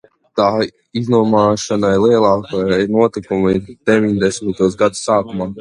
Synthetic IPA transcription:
t̪aː | iznuɔmaːʃanaiɾlˠiɛlˠaːkanuɔt̪ikumid̪̥ɛvʲiɲd̪ɛsmit̪uɔsɡad̪usːaːkumaː

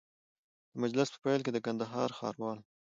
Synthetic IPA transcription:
d̪̥əmad͡ʒlɪspə̥pajlk̬ed̪əkand̪aɦɑɾxɑ̰ɾwɑl

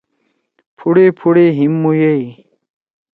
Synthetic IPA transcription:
pʰuɽepʰuɽeɦimːujei

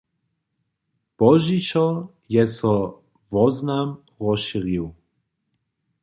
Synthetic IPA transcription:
b̥ɔʒit͡ʃɔ | jɛsɔ | vɔznam | ʁɔʃiɾiw

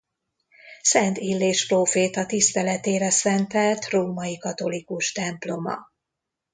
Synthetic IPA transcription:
sɛnt̪ilːeːʃproːfeːt̪ɒt̪ist̪ɛlɛt̪eːɾɛsɛnt̪ɛlt̪roːmɒjikɒt̪olikuʃt̪ɛmplo̞mɒ̰

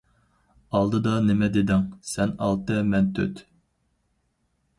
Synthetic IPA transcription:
ɑlˠd̪ɨd̪ɑnɪmɛd̪ed̪ɪŋsɛnɑ̰lˠt̪ɨmɛnt̪ʰø̰t̪

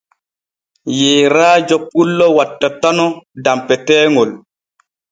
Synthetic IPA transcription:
jeːɾaːd͡ʒɔk̚ːulːɔwatːatanɔdampɛtɛːŋol

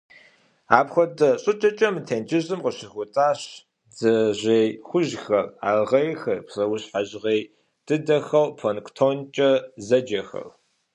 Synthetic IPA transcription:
aːpxʷɔtʼɐɕʼɨt͡ʃʼɐt͡ʃʼɐmɨtʰeːnd͡ʒɪʑɨmqəɕɪxʷʊtʼaːɕ | d͡zɐʑejxʷʊʒxɐra̰ːʁɐjxɐrpsɐwʊɕħaʑʁeːj | d̥ɨdɐxɐwpʰonktʰont͡ʃʼɐzɐd͡ʒɐxɐ̰r

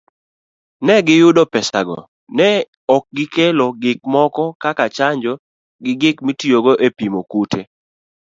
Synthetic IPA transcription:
nɛɡɪjʊdɔpɛsa̰ɡɔ̰ | nɛ | ɔk̚ɡɪkɛloɡɪk̚mɔkɔkakat͡ʃaɲd͡ʒɔ | ɡɪɡɪkmitijoɡoʔepimokutʰe

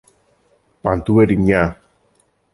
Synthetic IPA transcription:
pant̪ueɾiɲa

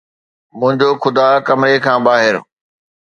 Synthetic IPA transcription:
mʊ̃ɦɪ̃ɲd͡ʑoxʊd̪aːkɐmɾekʰãːbaːɦɪɾ

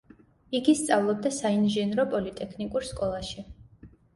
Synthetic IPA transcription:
iɡist̪sʼavlˠɔb̚d̪asainʒɛnɾɔpʼɔlit̪ʼɛkʰnikʼuɾskʼɔlˠaʃi

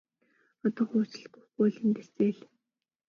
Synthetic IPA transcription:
ɔt̪ɔːχuːt͡ɕɪ̆ɮʊχuːɮɘ̆nt̪eseːɮ

